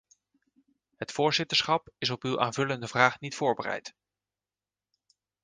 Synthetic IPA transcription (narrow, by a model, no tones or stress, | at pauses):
ɦətfʊːɹzɪtəɹsχɑpɪsɔpywʔa̰ːnvɵləndəvraːχnitfʊːɹbərɛ̰jt